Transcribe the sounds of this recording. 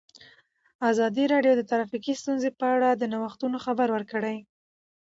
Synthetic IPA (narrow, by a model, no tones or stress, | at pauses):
azɑd̪iɾɑɖjod̪ət̪aɾɑfikist̪unzepəaɽad̪ənawaxt̪unoxabaɾwəɾkəɽaj